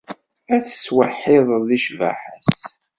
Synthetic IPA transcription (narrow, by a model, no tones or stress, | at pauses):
æsːwəħːɪðˤðiʃva̰ħəs